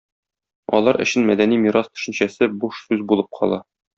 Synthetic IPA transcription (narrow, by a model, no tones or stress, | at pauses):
ɒ̰lˠɑɾʔɘ̰̆ɕɘnmæd̪ænimiɾɑst̪ɵ̥̆ʃɘ̆nɕæsɘbuʃsʉzbulˠɤp̚qʰɒ̰lˠɑ